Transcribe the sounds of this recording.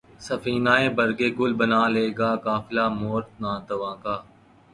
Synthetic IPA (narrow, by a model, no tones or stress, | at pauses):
sɐfiːnaːẽbɐɾɡeːɡʊlbənaːleːɡaːkaːfɪlaːmoːɾt̪̚nãːt̪ɐʋãːkaː